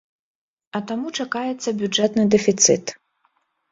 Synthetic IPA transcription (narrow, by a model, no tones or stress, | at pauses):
ɐt̪amut͡ʂakajɛt̪sːɐbʲud͡ʐɛt̪nɨd̪ɛfʲit̪sɨ̰t̪